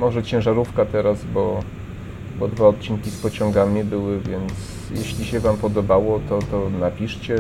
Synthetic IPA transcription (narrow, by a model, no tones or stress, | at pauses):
mɔʐɛt͡ɕɛ̃ʐaɾufkat̪ɛɾazbɔ | bɔd̪vaɔt̪̚t͡ɕiŋkʲispɔt͡ɕɔ̃ŋɡamʲibɘwɘvʲjɛnt̪s | jeɕlʲiɕɛvampɔd̪ɔbawɔt̪ɔt̪ɔnapʲiʂt͡ɕɛ